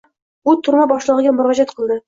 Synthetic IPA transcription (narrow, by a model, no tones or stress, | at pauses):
ʊt̪ʰʊɾmabɒʃlˠɨʁɨɡʲamʊɾɒd͡ʒat̪qʰɨlˠd̪ɪ